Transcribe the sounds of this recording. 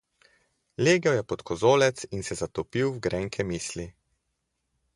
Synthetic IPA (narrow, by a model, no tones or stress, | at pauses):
leːɡɛwjɛpɔt̪kʰɔzoːlɛt̪sinsɛzat̪ɔpiwwɡɾʔɛːŋkʰɛmiːsli